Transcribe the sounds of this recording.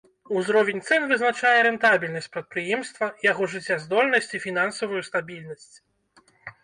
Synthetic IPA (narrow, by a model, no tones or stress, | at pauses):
uzɾɔvʲɛnʲt̪sɛnvɨznat͡ʂajɛɾɛnt̪abʲilʲnɐsʲt͡sʲpɾɐt̪̚pɾɨjɛmst̪vɐjaɣɔʐɨt͡sʲːazd̪ɔlʲnɐsʲt͡sʲifʲin̪ansɐvujust̪abʲilʲnɐsʲt͡sʲ